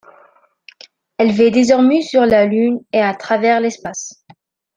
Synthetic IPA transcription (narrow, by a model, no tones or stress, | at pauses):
ɛlvɛd̪ezɔʁmɛsyʁlalyneat̪χavɛʁlɛspas